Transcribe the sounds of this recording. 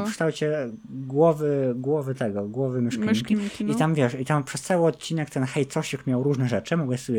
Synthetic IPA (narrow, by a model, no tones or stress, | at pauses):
fkʂt̪awt͡ɕɛɡwɔvɘɡwɔvɘt̪ɛɡɔɡwɔvɘmʲjɛʂkaɲkʲiit̪amvʲjɛʂit̪ampʂɛst̪sawɘɔt̪t͡ɕːinɛkt̪ɛnxɛjt̪sɔɕikmʲjawɾuʐnɛʐɛt͡ʂɘmɔɡwɛsɔbʲɛ